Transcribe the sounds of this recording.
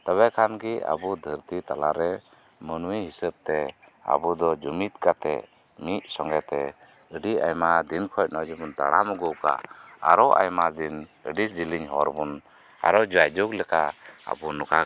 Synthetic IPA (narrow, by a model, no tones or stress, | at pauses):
t̪aβɛkʰanɡia̰bud̪ʱəɾt̪it̪alaɾɛ | mənuwiɦisəb̚t̪ɛ | a̰bud̪ɔd͡ʒumit̪kat̪ɛ̰ | mic̪̚sɔŋɡɛt̪ɛ | əɖia̰jmad̪inkʰɔjc̚ˀnɔd͡ʒibunt̪a̰ɽamuɡɔʔka̰a̰ɾɔʔa̰jmad̪inəɖisd͡ʒiliɲɦɔɾbun | a̰ɾɔd͡ʒɔajd͡ʒuɡlɛkaa̰bunuka